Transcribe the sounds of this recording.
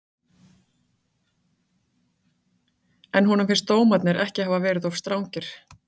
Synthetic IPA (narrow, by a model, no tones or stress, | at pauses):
ɛnɦunʏmfɪnst̪oːwmat̪nɪɾʔɛhcɪhaːvavɛːɾɪðɔfst̪ɾawɲcɪɾ̥